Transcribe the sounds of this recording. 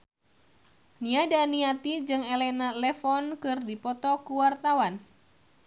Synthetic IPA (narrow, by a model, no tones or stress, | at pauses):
niadaniat̪id͡ʒɨŋelɛnalɛfɔnkɨrdipɔt̪ɔkuwart̪awan